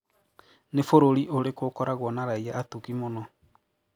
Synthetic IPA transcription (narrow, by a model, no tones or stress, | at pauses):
nefoɾoɾiʔoɾekokɔɾaɣwɔnaɾaiaːtukimonɔ